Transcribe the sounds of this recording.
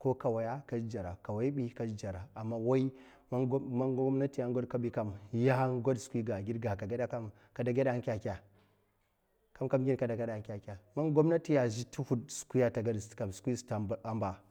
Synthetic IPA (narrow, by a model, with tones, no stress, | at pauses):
ko˦ka˨wa˨ja˦ka˦d͡ʒd͡ʒa˨ɾa˨ka˨wa˨˦i˦ɓi˦ka˦d͡ʒd͡ʒa˨ɾa˨a˨mːa˨wa˦i˦ | ma˦ɡmna˦ti˨ja˦ɡo˦dka˦ɓi˨ka˦mja˦ha˦ŋɡo˦dsu̥˨kʷi˦ɡa˨ɡi˦dɡa˨ka˨ɡa˦da˦ka˦m | ka˨da˨ɡʲa˦da˨a˦ŋkʲa˨kʲa˨ | ka˦mka˦mɡʲi˦n˦ka˨da˨ɡa˦da˨a˨nkʲa˨kʲa˨ma˦nɡo˦m˦na˦ti˦ja˨zi˦tʰu˦hu˦dsu̥˨ku˦ja˨ta˨ɡa˦dska˨msu̥˨kʷi˦sta˨a˦mba˨